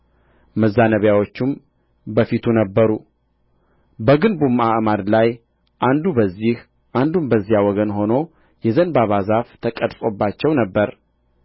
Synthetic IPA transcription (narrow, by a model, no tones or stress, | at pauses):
məzːanəβjawo̞t͡ʃːum | bəfit̪ʰunəbːəɾu | bəɡɨnbumaʔmad̪laj | ʔand̪ubəzːih | ʔand̪umbəzːijawɔɡənho̞no̞ | jɛzənbaβazaft̪ʰəkʼəd̪fʼo̞bːat͡ʃːɛwnəbːəɾ